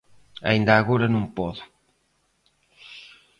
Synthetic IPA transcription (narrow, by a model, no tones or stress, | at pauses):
ɐ̰ind̪aːɣoɾɐnõŋpɔðʊ